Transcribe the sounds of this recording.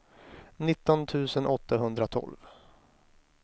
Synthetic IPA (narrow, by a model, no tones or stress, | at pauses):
nɪt̪ːɔnt̪ʰʉ̟ːsənʔɔt̪ʰːaɦɵnd̪ɾat̪ʰɔ̰lv